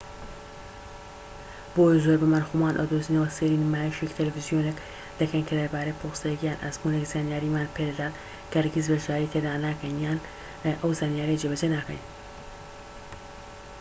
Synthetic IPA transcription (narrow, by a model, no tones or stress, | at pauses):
b̥ojzoːɾbɐmɐɾxumaːnʔɐ̰d̪ozinɐwɐseɾinmaːjiʃekt̪ʰɐlɐfizijonek | d̪̥ɐkʰɐjnkʰɐlɐɾbaːɾepʰoːxsajɛkjaːnʔa̰zkunekzaːnjaːɾimaːnpʰed̪ɐd̪aːt̪ | kʰɐɾɡizbɐʃaːɾit̪ʰed̪aːnaːkɐjnjaːn | ʔɐwzaːnijaːɾed͡ʒebɐd͡ʒenaːkɐ̰jn